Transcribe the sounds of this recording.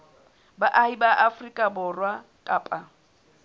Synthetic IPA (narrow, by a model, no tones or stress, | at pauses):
baʔahibaʔafrikʼabʊrwakʼaːpʼa